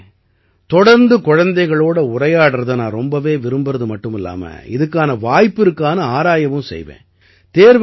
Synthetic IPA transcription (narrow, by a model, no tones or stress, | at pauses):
t̪ɔɽɐɾnd̪ɯkɔɻɐnd̪ɐɪɣɐɭoːɽɐʊɾɐjaːɽɯɾɐðɯnãːɾɔmbɐʋeːʋɪɾɯmbɯɾɐðɯmɐʈːɯmɪlːa̰ːmɐ̰ɪ̰ðɯkːaːnɐʋaːjpːɪɾɯkːaːnɐaːɾaːjɐʋɯmsɛ̰jʋḛ̃ː | t̪eːɾʋ